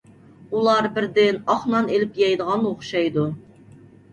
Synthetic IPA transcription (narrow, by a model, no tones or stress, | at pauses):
ulˠɑɾbɪɾd̪ɪnɑχnɑnelɪpjɑjd̪əʁɑnoχʃɑjd̪u